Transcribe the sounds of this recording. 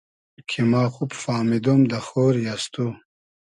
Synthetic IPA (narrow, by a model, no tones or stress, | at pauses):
kʰimaːxupfaːmid̪omd̪əxoːɾjast̪u